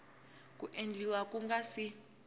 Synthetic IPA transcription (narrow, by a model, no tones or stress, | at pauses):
kuʔend͡ɮiwak̬ʼuŋɡasi